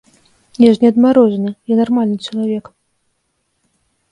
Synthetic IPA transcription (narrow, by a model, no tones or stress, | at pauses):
nʲɛʐnʲɛɐd̪maɾɔʐɐnɨjanarmalʲnɨt͡ʂɐlˠavʲɛk